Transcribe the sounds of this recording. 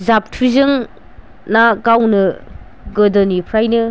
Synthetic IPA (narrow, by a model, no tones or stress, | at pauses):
zap̚tʰizɯŋ | naɡawnɯ | ɡɯdɔnipʰɾajnɯ